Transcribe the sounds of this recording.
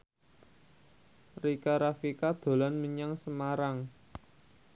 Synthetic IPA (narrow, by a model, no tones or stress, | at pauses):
rikaɾafikad̪̥o̤lanməɲaŋsəmaɾaŋ